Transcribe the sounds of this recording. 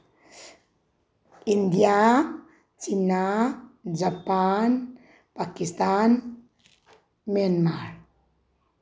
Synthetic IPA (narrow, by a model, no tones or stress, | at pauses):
ʔind̪ja | t͡ʃina | d͡ʒapan | pakist̪an | mianmaɾ